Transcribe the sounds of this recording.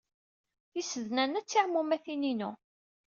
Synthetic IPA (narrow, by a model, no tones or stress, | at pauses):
θisəðnænæt͡sːɪʁmumæθininu